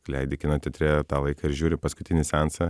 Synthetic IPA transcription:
klʲɛɪd̪ʲɪkʲɪnɐt̪ʲɪt̪ʲɾʲet̪ɑːlˠɐɪkɑːɪɾʒʲuːɾʲɪpɐskʊt̪ʲɪnʲɪsʲɛnsɐ

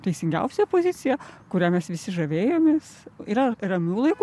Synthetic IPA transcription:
t̪ʲɛɪsʲɪŋʲɡʲɛ̰ʊsʲepozʲɪsʲɪjɛkʊɾʲæːmʲɛsʋʲɪsʲɪʒɐʋʲeːjoːmʲeːsiɾɐɾɐmʲuːlˠɐɪku

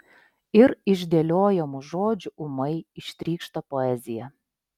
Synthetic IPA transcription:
ɪɾiʒʲd̪ʲelʲoːjɛmoʒoːd͡ʒʲuʔuməjiʃt̪ʲɾʲiːkʃt̪ɑpoɛzʲɪjæ

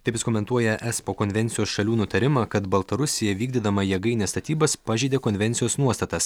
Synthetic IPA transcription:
t̪ɐɪpjɪskoːmʲɛnt̪uɔjɛʔɛspoːkonʲʋʲɛnʲtsʲɪjoːsʃɐlʲuːnʊt̪ɐɾʲɪmɑkɐt̪bɐlˠt̪ɐɾʊsʲɪjɛʋʲiːɡʲd̪ʲɪd̪ɐmɐjɛɡɐɪnʲɛːst̪ɐt̪ʲiːbɐspɑʒʲɛɪd̪ʲeːkonʲʋʲɛnʲt̪sʲɪjoːsnuɔst̪ɐt̪ɐs

